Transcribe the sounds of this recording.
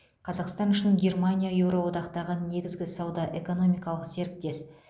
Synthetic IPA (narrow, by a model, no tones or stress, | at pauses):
qʰɑzɑqst̪ɑnʏʃɪnɪŋɡʲe̞rmanʲijajewɾowo̞d̪ɑqt̪ɑʁəne̞ɡʲɪzɡʲɪsɑwd̪ɑʔe̞ko̞no̞mʲijkɑlˠəqse̞ɾɪk̚t̪e̞s